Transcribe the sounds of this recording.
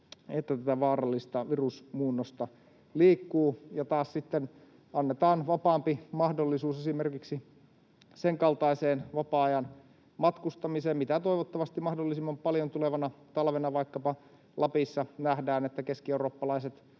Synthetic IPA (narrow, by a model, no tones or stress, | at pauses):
et̪ːæt̪æt̪æʋɑːrɑlːist̪ɑʋirusmuːnːost̪ɑ | liːkːuːjɑt̪ɑːssit̪ːen | ɑnːet̪ɑːnʋɑpɑːmpimɑhdolːisuːsesimerkiksi | seŋkɑlt̪ɑiseːnʋɑpɑɑjɑn | mɑt̪kust̪ɑmiseːmmit̪æt̪oiʋot̪ːɑʋɑst̪imɑhdolːisimːɑmpɑljont̪uleʋɑnɑt̪ɑlʋenɑʋɑikːɑpɑ | lɑpisːɑnæhdæːnet̪ːækeskieuroːpːɑlɑiset̪